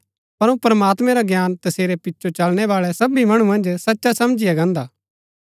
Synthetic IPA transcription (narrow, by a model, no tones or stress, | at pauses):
pɐɾõpɾɐmaːt̪mɛ̃ɾaɡjaːnt̪ɐseːɾɛpɪtːʃʰot͡ʃɐlñɛʋaːɭɛsɐbimɐɽ̃umɐ̃nd͡ʒsɐtːʃasɐmd͡ʒɪjaɡɐ̃ːnd̪aː